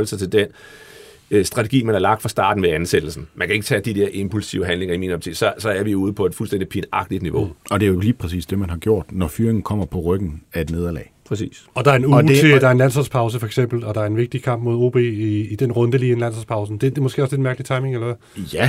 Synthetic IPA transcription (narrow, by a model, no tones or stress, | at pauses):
ləsɑt͡sʰe̝ld̥en̰ | sd̥ʁɑ̈t͡sʰeɡ̥ḭːmænæɐlɑ̈ɡ̥̚d̥fʁɑ̈sd̥ɑ̰̈ːd̥n̩ʋeænsed̥l̩sn̩mænkʰæe̝ɡ̥ət͡sʰɛ̰ːd̥id̥ɛɐʔe̝mpʰulsiʊɦænle̝ŋɐiminɒb̚t͡sʰḭsɒsɒ̽æɐʋiouːð̞̩ˠpʰɒ̽e̝d̥fulsden̰d̥ipʰinɑ̈ɡ̥d̥id̥niʋo̝ɒ̽d̥e̝æjoliːpʰʁɛsḭːsd̥e̝mænɦhɑ̈ɡ̥jo̝ɐ̰d̥nɒfyːɐeŋn̩kʰɒ̽m̰ɐpʰɒ̽ʁœɡ̥n̩æe̝d̥ne̝ːð̞ˠɐlɛ̰ɪpʰʁɛsḭːsɒ̽d̥ɑ̈æɐenubt͡sʰid̥ɑ̈æɐenlæn̰sɒlspʰɑ̈ʊs̬əfɒ̽eɡ̥sem̰b̥l̩ɒ̽d̥ɑ̈æɐe̝nʋe̝ɡ̥̚d̥ikʰɑ̈m̰b̥̚mo̝ð̞ˠo̝̰ːb̥e̝̰iːd̥enʁɔ̽nd̥əliːenlænsɒlspʰɑ̈ʊsn̩d̥e̝demɔsɡ̥e̝̰ːɒ̽sled̥mæɐɡ̥lit͡sʰɑ̈ɪme̝ŋelɐʋæ | jæ